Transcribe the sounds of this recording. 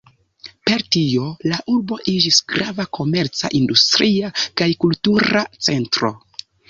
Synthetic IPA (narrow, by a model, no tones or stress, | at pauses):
pe̞ɾtio̞laʔuɾbo̞ʔid͡ʒisɡɾavakʰo̞me̞ɾt͡sa̰ʔindustɾiakajkultuɾat͡se̞ntɾo̞̰